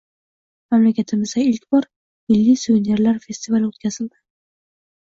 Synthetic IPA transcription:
mamlakʲat̪ʰɪmɪzd̪aɪlkʲbɒɾ | mɪlːijsuvene̞ɾlaɾfʲe̞st̪ivalot̪̚kʲazɪld̪ɪ̥

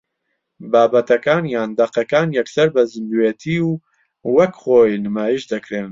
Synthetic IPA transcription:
baːbɐt̪ɐkaːnjaːnd̪ɐqɐkaːnjɛksɐɾbɐzɨmbuet̪ʰiːw | wɐkχoːjnɨmaːjiʃd̪ɨkɾɨn

